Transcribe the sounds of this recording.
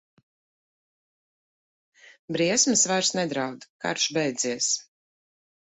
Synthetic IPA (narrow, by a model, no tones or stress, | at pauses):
bɾiɛsmɨsvaɾsnɛd̪ɾawd̪ka̰ɾʃbɛjd̪ziɛs